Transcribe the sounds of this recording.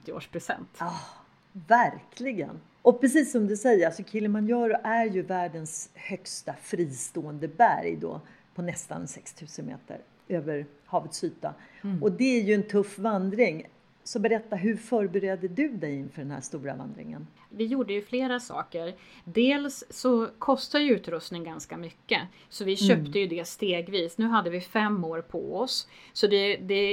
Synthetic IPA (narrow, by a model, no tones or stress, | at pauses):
t̪ɪo̰ːʂpʰɾʊsɛ̰nt̪ɑː | væɾkʰlɪɡə̰n | ʔɔpʰɾɛsiːsːɔmd̪ɵsɛjːəɾasɔkʰɪlːənmanjœːɾʔæɾjɵvæːɖənshœkst̪afɾiːst̪oːənd̪əbæ̰ɾjd̪ɔ̰ː | pʰɔnɛst̪a̰nɛnsɛkst̪ʰʉ̟ːsənmḛːt̪ʰə̰ɾ | øːvəɾ | hɑːvət̪syːt̪a̰ɔd̪ɛæɾjɵɛnt̪ʰɵfːvand̪ɾɪŋ | sɔbɛɾɛt̪ːaɦɵɾfœːɾbɛɾeːd̪əd̪ɵd̪ɛjɪnfœːɖɛnhæ̰ʂt̪uːɾa̰va̰nd̪ɾɪ̰ŋə̰n | vɪjuːɖəjɵfleːɾasɑ̰ːkəɾd̪eːlsːɔkʰɔst̪ad̪jəʉ̟ːt̪ɾɵst̪nɪŋɡanskamʏkːə | sɔvɪɕøːpt̪əjɵd̪ɛst̪eːɡviːsnʉ̟ːɦad̪ːəvɪfɛmːoːɾpʰɔ̰ɔssɔd̪ɛd̪ɛ